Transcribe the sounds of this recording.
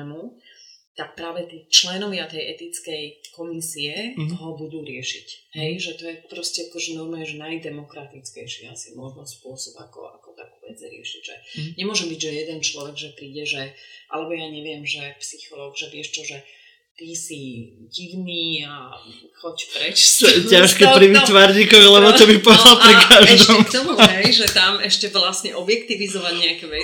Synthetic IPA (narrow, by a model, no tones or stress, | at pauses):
mut̪ak̚pɾaːʋɛt̪iːt͡ʃlɛnɔʋɪat̪ɛjʔɛt̪it͡skɛjkɔmisiɛɦɔbud̪uːɾɪɛʃḭcɦɛjʒɛt̪ɔjɛpɾɔscɛakɔʒɛnɔɾmujɛʒɛnajd̪ɛmɔkɾat̪it͡skɛjʃḭːasimʊɔʒnɔspʊɔsɔba̰kɔ̰a̰kɔt̪a̰ːkuːʋɛd͡zɾɪɛ̰ʃiɟʒɛ̰ɲɛmʊɔʒɛmbiɟʒɛjɛd̪ɛnt͡ʃlɔʋɛɡʒɛpɾiːɟɛʒɛʔa̰lɛbɔjaːɲɛʋɪɛmʒɛpsixɔlɔːɡʒɛʋɪɛʃt͡ʃɔʒɛ | t̪isi | ɟiʋniːa | xɔcpɾɛt͡ʃcaʃkɛpɾiʋit̪ʋaɾɲikɔʋilɛbɔt̪ɔbipɔalpɾikaʒd̪ɔmkt̪ɔmuɦɛjʒɛt̪amɛʃcɛʋlasɲɛʔɔbjɛkt̪iʋizɔʋaɟɲɛakɛʋɛ